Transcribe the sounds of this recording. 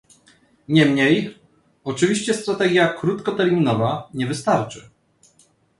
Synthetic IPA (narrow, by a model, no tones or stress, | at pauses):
ɲɛmɲej | ɔt͡ʂɘvʲiɕt͡ɕɛst̪ɾat̪ɛɡʲjakɾut̪kɔt̪ɛɾʲmʲinɔvaɲɛvɘst̪aɾt͡ʂɘ